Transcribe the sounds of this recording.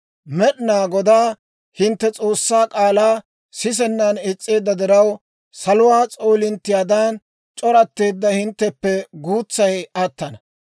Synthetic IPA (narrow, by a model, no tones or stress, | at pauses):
mɛɗɪnaːɡɔd̪aː | hɪnt̪ːɛt͡sʼo̞ːsːaːkʼaːlaː | sɪs̬ɛnːɐnɪt͡sʼːe̞ːd̪ːɐd̪ɪɾɐw | sɐlʊwaːt͡sʼo̞ːlɪnt̪ːɪjaːd̪aːn | t͡ʃʼɔɾɐt̪ːe̞ːd̪ːɐhɪnt̪ːɛpːɛɡuːt͡sːɐjɐt̪ːɐnɐ